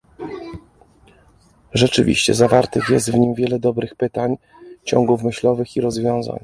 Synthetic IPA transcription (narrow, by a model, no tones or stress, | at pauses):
ʐɛt͡ʂɘvʲḭɕt͡ɕɛ̰zavaɾt̪ɘxjɛst̪vɲimvʲjɛlɛd̪ɔbɾɘxpɘt̪aɲ | t͡ɕɔ̰ŋɡufmɘɕlɔvɘxiɾɔzvʲjɔ̃w̃za̰ɲ